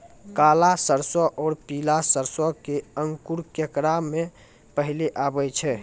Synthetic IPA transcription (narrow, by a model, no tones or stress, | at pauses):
kalasəɾsɔʔɔːɾpilasəɾsɔkeəŋkuɾkekɾamːẽ | pəɦileʔabɛt͡ʃʰɛ